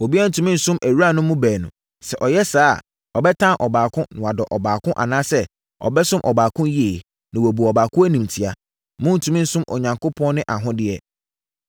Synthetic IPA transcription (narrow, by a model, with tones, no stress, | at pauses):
wo˨bi˦a˦n̩˨tʰũ˨mĩ˦n̩˨sʊ̃˦mæ˨wu˦a˦˨nʊ̃˦mʊ̃˦bæː˨nʊ̃˨ | sɛ˨ʔɔ˨jɛ˦sa̰ː˦˨ | ɔ˨bɛ˦tʰã˦ʔɔ˨baː˨kʰʊ̃˦nʊ̃˨a˨dɔ˨ʔɔ˨baː˨kʊ̃˦ʔa̰˨nãː˦sɛ˦ | ɔ̰˨bɛ˦sʊ̃˦mʔɔ˨baː˨kʰʊ̃˦nji˦e˨ | nã˨wɔ˨bu˨ɔ˨baː˨kʰʊ̃˦æ˦nĩ˨mtʰi˨a˦ | mʊ̃˦n̩˨tʰũ˨mĩ˦n̩˦sʊ̃˦mʔɔ˨ɲã˨ŋko˦pʰɔ̃˦n˦nɪ̃˦ʔa˨ɦʊ̃˦dɪ˦ɛ˦˨